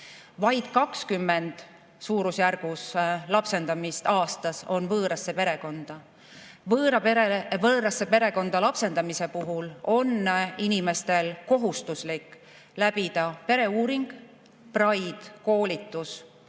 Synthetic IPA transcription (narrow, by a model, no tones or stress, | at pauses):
vɑjd̪̥kɑkskymːe̞nd̪̥ | suːɾusjærɡ̥uslɑpse̞nd̪̥ɑmist̪ɑːst̪ɑso̞nvɤːɾɑsːe̞pe̞ɾe̞ko̞nd̪̥ɑ | vɤːɾɑpeɾevɤːɾɑsːe̞pe̞ɾe̞ko̞nd̪̥ɑlɑpse̞nd̪ɑmise̞puɦulo̞ninime̞st̪e̞lko̞ɦust̪uslikː | læb̥id̪ɑpe̞ɾe̞uːɾiŋɡ̥ | prɑjd̪̥ko̞ːlʲit̪ːˑus